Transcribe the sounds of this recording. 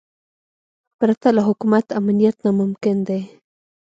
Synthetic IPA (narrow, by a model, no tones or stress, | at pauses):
pɾat̪alaɦʊkumat̪amnijat̪namʊmkɪnd̪e